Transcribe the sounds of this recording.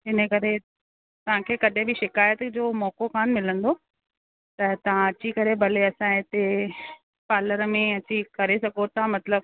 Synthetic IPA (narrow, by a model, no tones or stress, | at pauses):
ɦɪnəkɐɾe | t̪ɐʋ̤ãkʰeːkɐɗɪ̃bɪʃɪkaːjət̪d͡ʑoːmɔːkokʰaːnmɪlə̃nd̪oː | t̪ɐt̪ɐʋ̤ãɐt͡ɕikɐɾebʱɐleɐsãɪt̪e | paːləɾmẽɐt͡ɕikɐɾesɐɡot̪ãmɐt̪ləb̚